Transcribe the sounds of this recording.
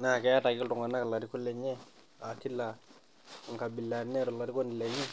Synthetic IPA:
na˦˨kɛ˦ja˦ta˨kɪ˦ltʊ˨ŋa˨na˦ka˨la˨ɾi˦kʊ˦lɛ˨ɲɛ˦ | a˨ti˦la˨ | ŋ˨ka˨bi˨la˨nɛ˦ɾu˨la˨ɾi˦kɔ˦ni˨lɛ˨ɲi˦

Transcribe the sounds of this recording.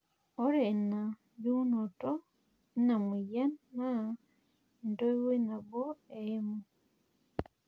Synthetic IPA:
o˦ɾe˨na˨ | βu˦noto | i˦na˨mu˨ja˦nːa˦ | ndo˦i˦we˦na˨bo˦ee˦mo

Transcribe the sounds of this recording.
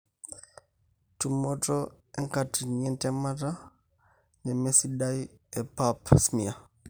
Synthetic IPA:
tu˨mo˦tɔ˦ | e˦ŋka˨ti˨ni˨ɛ˦ntɛ˦ma˦ta˦ | ne˨me˦si˦ɗa˦i˦e˨pa˦psmi˨a˨

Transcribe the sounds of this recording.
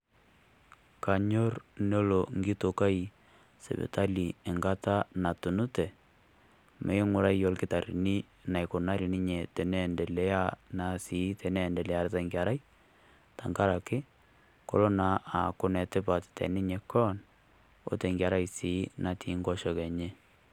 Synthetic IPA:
ka˨ɲo˦rno˦lo˨ŋɡi˦to˨ka˦i˨ | sḛ˨bḛ˨ta˦li˨ɛ˨ŋɡa˦ta˦na˨tu˨nu˦tɛ˨ | mʔḛ˨˦ɪ˦ŋʊ˦ɾa˦jjɔ˦lkɪ˦ta˨ɾḭ˨ni˦ | na˨jko˨na˦ɾi˨nɪ˦ɲe˨te˨nɛ˦ndɛ˨lɛ˦ja˦na˨siː˨˦tɛ˨nɛ˦˨ndɛ˨lɛ˨a˦ɾɪ˦ta˦ŋɡa˨ɾa˦j | ta˨ŋɡa˦ɾa˨kɪ˦ | ko̰˦lo˦na˨ʔa˨kʊ˦nɛ˨tɪ˦pa˨ttɛ̰˨nɪ˦ɲe˨kɔ˦n | o̰˦tɛ˨ŋɡja˨ɾa˦jsi˨˦na˨tʰi˦ŋɡɔ˦ʃɔ˨kɛ˨ɲe˦

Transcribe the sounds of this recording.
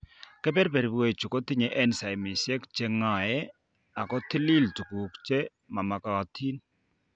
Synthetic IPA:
kɛ˦bɛ˦ɾpɛ˨ɾi˨bwe˨t͡ʃu˨kɔ˦ti˦ɲɛ˨ʔɛ˦nsa˨jmɪ˨sɛ˦kt͡ʃɛ˦ŋa˨jɛ˦ | a˨kɔ˦ti˦li˦ltu˨ku˨kt͡ʃɛ˦ | ma˨ma˨ka˨tʰi˦n

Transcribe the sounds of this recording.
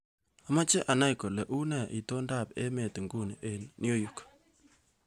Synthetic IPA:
a˦ma˦t͡ʃe˦ʔa˨na˦jko˨le˨ʔu˦nɛ˨ʔḭ˨to˦nda˦˨pḛ˦me˨tu˨ŋɡu˦n˨ʔe˨nn˦o˦ju˨k

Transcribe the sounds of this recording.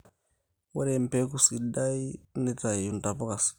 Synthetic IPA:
wa̰˦ɾe˨m˨pɛ˦ku˦si˨da˦i˦ni˦ta˨ju˨nta˨po˦ka˨s

